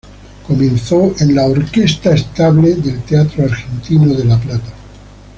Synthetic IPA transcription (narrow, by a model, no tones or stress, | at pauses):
komẽnθoʔenlaoɾkest̪aest̪aβleðe̞lt̪eat̪ɾoaɾxent̪inoðelaplat̪ḁ